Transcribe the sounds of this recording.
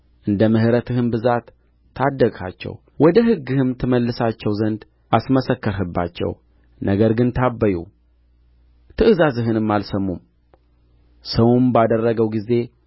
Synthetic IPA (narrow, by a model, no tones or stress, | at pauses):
ʔɨnd̪əmɨhɨɾət̪ʰɨhɨnbɨzat̪ʰː | ad̪ːəkʼa̰t͡ʃːɛ̰w | wɔd̪əɦɨɡːɨhɨmt̪ʰɨməlːɨsat͡ʃːɛwzənd̪ | ʔasməsəkːəɾɦɨbːa̰t͡ʃːɛ̰w | nəɡəɾɡɨnt̪ʰabːəjṵ | t̪ʰɨʔɨzazɨɦɨnɨmːalsəmːum | səwumbad̪ərːəɡəwɡize̞